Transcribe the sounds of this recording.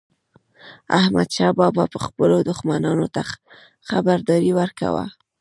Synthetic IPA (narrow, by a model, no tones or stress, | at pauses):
ahma̰d̪ʃɑbɑbɑpəxpəlod̪ʊxmanɑnot̪a | xabaɾd̪ɑɾiwəɾka̰wa̰